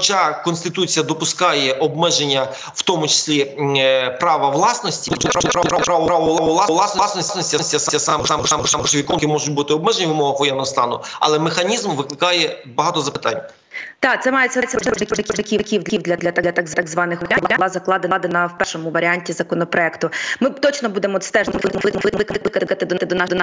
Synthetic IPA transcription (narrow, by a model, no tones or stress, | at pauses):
xɔt͡ʃɑkɔnst̪ɪt̪ut͡sʲijɐd̪ɔpʊskɑjɛʔɔbmɛʒenʲːɐ | wt̪ɔmʊt͡ʃɪ̥sʲlʲi | pɾɑʋɐʋlˠɑsnɔsʲtʲiɔtɾpɾpɾapɾɑʋɾɑʋɔʋlˠɔʋlˠlˠɑsnˠɑsnɔsʲsnɔsʲtʲiɐsʲtʲiɐsɑiɐsɑmɑmmmʋʲikɔnkɪmɔʒʊt̚ʲbut̪ɪɔbmɛʒenʲiʋɪmɔɦɐxʋɔjɛnːɔɦɔst̪ɑ̰nʊ̰ɐ̰lˠɛmɪxɐnʲizmʋɪklˠɪkɑjɛbɐɦɑt̪ɔzɐpɪ̥t̪ɑ̰nʲː | t̪ɑt̪sɛmɑjesʲɛsʲɐɛʒɐkʲikʲʒɐkʲikʲiwd̪lʲiwd̪lʲɐd̪lʲɐt̪t̪aɡzt̪ɡzʋɑnɪxblɾlˠɑzɐklˠɑd̪enɑd̪enɐwpɛʃɔmʊʋɐɾʲianʲtʲizɐkɔnɔpɾɔɛkt̪ʊmɪt̪ɔt͡ʃnɔbud̪emɔɔt̪st̪ɛʒˠɪmlˠɪkmɔlˠɪɪkˠklˠɪkɐt̪kɐt̪ɪd̪ɔɪd̪ɔnɑd̪n